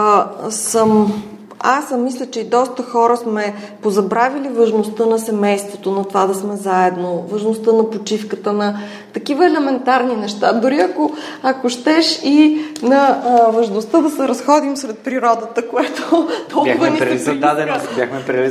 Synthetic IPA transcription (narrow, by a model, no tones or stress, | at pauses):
səm | asmislʲət͡ʃɛid̪ɔst̪əxɔɾəsmɛ | pozɐbɾavilivɐʒnost̪ɤnɐsɛmɛjst̪vot̪onɐt̪ovad̪ɐsmɛzaɛd̪novɐʒnost̪ɤnɐpot͡ʃifkət̪ənɐ | t̪ɐkivəɛlɛmɛnt̪aɾninɛʃt̪ad̪ʊɾiɐko | ɐkoʃt̪ɛʃinɐvɐʒnost̪əd̪ɐsɛɾɐsxɔd̪imsɾɛt̪̚pɾiɾɔd̪ət̪əkoɛt̪oabɐniɾɐd̪ad̪ɛnbʲjaxmɛpɾili